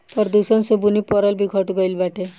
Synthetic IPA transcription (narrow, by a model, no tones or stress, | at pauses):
pɔɾd̪usɔnsobunipɔɾɔlbiɡʱɔʈɡɔjlbaʈʰe